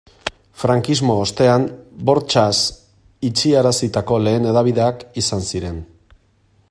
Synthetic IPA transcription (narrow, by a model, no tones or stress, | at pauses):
fɾaŋkizmo̞ːst̪e̞anbo̞ɾt͡ʃas | it͡ʃiaɾasit̪ako̞le̞ːne̞ðaβ̞iðe̞akisansiɾe̞n